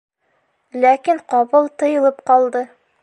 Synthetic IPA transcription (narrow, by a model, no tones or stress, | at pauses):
lækiɴqɒβɤlˠt̪ɤ̆jɤ̆lˠɤpqɒlˠd̪ɤ